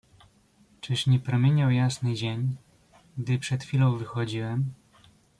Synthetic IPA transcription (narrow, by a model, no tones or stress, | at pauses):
t͡ʂɘʂɲɛpɾɔmʲjeɲawjasnɘd͡ʑeɲ | ɡd̪ɘpʂɛt̪xfʲilɔ̃w̃vɘxɔd͡ʑiwɛm